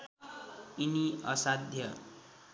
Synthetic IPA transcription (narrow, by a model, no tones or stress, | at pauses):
iniʌ̰sad̪ʱjʌ